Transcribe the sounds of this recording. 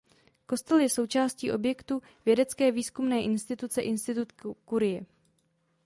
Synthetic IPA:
ko̞st̪ɛljɛso̞wt͡ʃaːsciːʔo̞bjɛkt̪u | vjɛdɛt͡skɛːviːskumnɛːʔɪnst̪ɪt̪ut͡sɛʔɪnst̪ɪt̪ut̪kuɾɪjɛ

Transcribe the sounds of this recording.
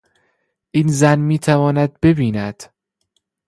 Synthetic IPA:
ʔinzænmiːt̪ʰævɒːnæd̪̚be̞biːnæd̪̥

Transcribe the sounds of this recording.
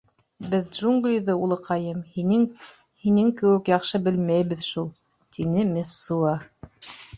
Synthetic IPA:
bɘðdʒuŋɡlʲijðɤulˠɤ̆qʰɑjɤmhinɘŋ | hinɘŋkɘ̆wɘkjɑqʃɤbɘlmæjβɘðʃulˠ | t̪inɘmʲɘsːuɑ

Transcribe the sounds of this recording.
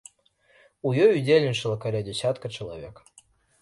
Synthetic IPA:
ujɔjudʲelʲnʲɪt͡ʂɨlˠəkaɾʲadʲɪsʲat̪kət͡ʃɪlˠa̰vʲɛk

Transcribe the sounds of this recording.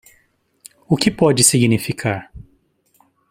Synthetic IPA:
ʊkɪpɔd͡ʒɪsiɡnifikʰaɾ

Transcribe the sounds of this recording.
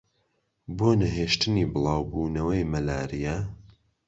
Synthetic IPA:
boːnɐɦeːʃt̪ɨniːbɨlˠɑːwbuːnɐwɐjmɐlaːɾijɐ

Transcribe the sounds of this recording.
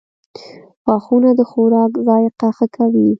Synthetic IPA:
xɑxunad̪əxoɾɑkzɑjqaxakawi

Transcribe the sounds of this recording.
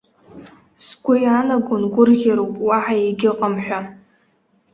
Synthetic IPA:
sɡʷʊjanaɡʷʊnɡʷʊrɣʲaɾowpʼwaħajeɡʲɪqʼamħʷᶣa

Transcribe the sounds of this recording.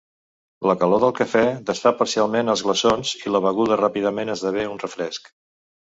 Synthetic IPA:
ləkəloðəlˠkəfɛðəst̪apəɾsialˠmenəlˠzɣləsonz̥iləβəɣuðərapiðəmenəzðəβ̞eunrəfɾɛsk

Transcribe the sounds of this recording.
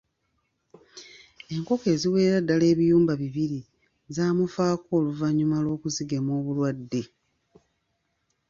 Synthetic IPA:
e̞ŋko̞ke̞ːziwe̞ːɾadːale̞ːβijuːmbaβiβiɾi | zaːmufaːko̞ːluvaɲumalwo̞ːkuziɡe̞moːβulwadːe̞

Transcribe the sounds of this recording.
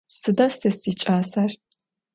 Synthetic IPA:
sɨdɐsɨsit͡ʃʼaːsɐr

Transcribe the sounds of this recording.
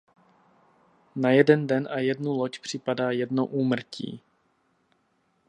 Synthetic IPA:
najɛdɛndɛnʔajɛdnulocpr̝̥ɪpadaːjɛdnoʔuːmr̩cʰḭː

